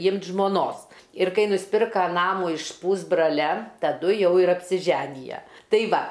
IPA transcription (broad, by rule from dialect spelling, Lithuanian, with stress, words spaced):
ˈiːmt ʒmoːˈnoːs ɪr ˈkɐɪ nʊsʲˈpʲɪrkɐ ˈnɑːmuː ɪʃ ˈpuːzbrɐlʲɛ tɐˈdʊ ˈjɛʊ ɪr ɐpʲsʲɪˈʒʲæːnʲɪjɛ tɐɪ ˈʋɐ